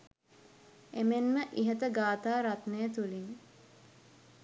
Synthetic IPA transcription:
emenməʔiɦət̪əɡaːt̪aːɾat̪nejət̪uliŋ

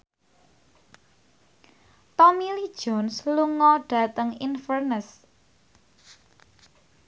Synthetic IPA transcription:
pamilid̥ʒ̥ɔnsluŋɔɖ̥a̤t̪əŋinfərnəs

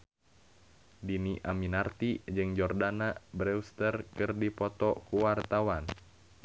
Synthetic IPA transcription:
diniʔaminart̪id͡ʒɨŋd͡ʒɔrdanabɾɛust̪ərkɨrdipɔt̪ɔkuwart̪awan

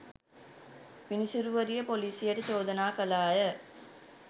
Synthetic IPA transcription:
pinisuɾuʋɐɾijɐpoliːsijeʈɐt͡ʃoːd̪ɐnaːkɐlaːjɐ

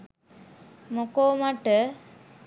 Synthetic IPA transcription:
mokoːmaʈə

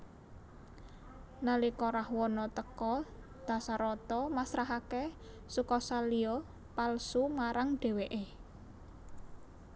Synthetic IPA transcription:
nalikɔɾahwɔnɔt̪əkɔ | d̪̥ä̤saɾɔt̪ɔmasɾaɦake | sukɔsaliɔ | palsumaɾaŋɖ̪̥e̤weʔe

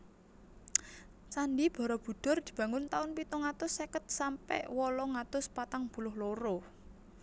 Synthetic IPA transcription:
t͡ʃanɖib̥ɔ̤ɾɔb̥ṳɖ̥ɔ̤rd̪̥i̤b̥a̤ŋʊnt̪aʊnpit̪ɔŋat̪ʊsekət̪̚sampɛ̰ʔwɔlɔŋat̪ʊspat̪aŋb̥ṳlʊhloɾo

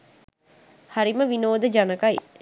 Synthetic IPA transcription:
haɾiməʋinoːd̪əd͡ʒanəkaj

